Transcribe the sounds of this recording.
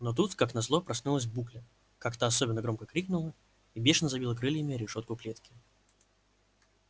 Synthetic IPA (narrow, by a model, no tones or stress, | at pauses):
not̪̬ut̪kaknɐzlˠopɾɐsnulˠəs̬ʲbuklʲə | kakt̪aɐsobʲɪnːəɡɾo̞mkəkɾʲiknʊlˠə | ibʲeʂɨnəzɐbilˠəkɾɨlʲjɪmʲɪɾʲɪʂot̪̚kʊklʲet̪kʲɪ